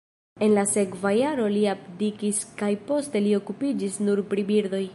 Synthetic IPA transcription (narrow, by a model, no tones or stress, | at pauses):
e̞nlase̞kvajaɾo̞liapdikiskajpo̞ste̞lio̞kupid͡ʒisnuɾpɾibiɾdo̞j